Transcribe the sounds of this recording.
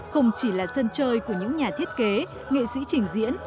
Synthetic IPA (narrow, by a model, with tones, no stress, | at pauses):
xə˧wŋ͡mt͡ɕi˧˩laː˨˩sə˧nt͡ɕəː˧jku˧˩əɲɨ̰˧˥ŋɲaː˨˩t̪ʰi˦˥ət̚ke˨˦ | ŋḛ˧˨sḭ˧˥t͡ɕï˨˩ŋ̟zḭ˧˥ən